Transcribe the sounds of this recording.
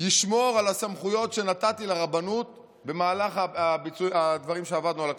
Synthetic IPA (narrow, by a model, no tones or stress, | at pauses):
jiʃmo̞ʁalasamχujo̞tʃe̞nat̪at̪ileʁabanut̪̚ | be̞maːlaχaabit͡sujad̪vaʁimʃeavad̪nualak